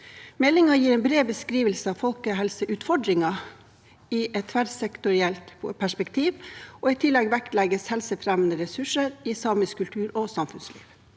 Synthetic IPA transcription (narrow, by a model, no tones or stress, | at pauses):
mɛlɪŋɑjiːɾɛːnbɾeːbəskɾiːʋəlsəɑʋfɔlkəɦɛlsəʔʉːt̪fɔɖɾɪŋɑ | iʔɛt̪ʰfæɾsɛkt̪ʊɾɪɛlt̪pʰæʂpɛkt̪ʰiːʋʔɔːɪt̪ʰɪlːɛɡʋækt̪lɛɡəshɛlsəfɾɛmənəɾɛsʉʂəɾisɑːməskʉlt̪ʰʉːɾɔsɑmfʉnslḭːʋ